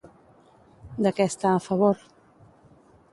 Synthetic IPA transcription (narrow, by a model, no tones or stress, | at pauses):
d̪əkɛst̪aːfəβoɾ